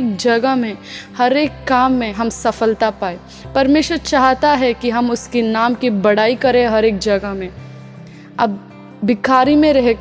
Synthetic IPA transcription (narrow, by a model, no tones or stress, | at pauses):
k̚d͡ʒɐɡəɦmẽhɐɾeːkːaːmːẽɦɐmsɐfəlt̪apaːe | pɐɾmeːʃwəɾt͡ʃaːɦt̪aɦɛkiɦɐmʊskinaːmkibɐɽ̤aːikɐɾẽɦɐɾeːk̚d͡ʒɐɡəɦmẽ | ɐb̚ː | ɪkaːɾimẽɾɐɦe